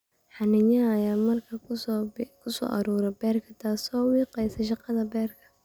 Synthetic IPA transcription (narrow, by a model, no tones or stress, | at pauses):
ħɑnɪɲɐːjaːmɐrkʰɐ | kʰʊsɔ̰ːʔɐɾuːɾɛbɛːrkʰɐt̪ʰaːsɔːwiːqɛjsɐʃɑqɑðɐbɛːrkʰɐ̥